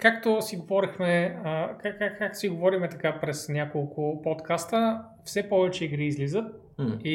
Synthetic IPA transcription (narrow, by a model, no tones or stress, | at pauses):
kakt̪osiɡovɔɾixmɛəkaakːak̚t̪o̥siɡovɔɾimɛt̪ɐkapɾɛsnʲjakolˠkʊpɔt̪kast̪ə | fsɛpɔvɛt͡ʃɛiɡɾiːzlizət̪̚ | i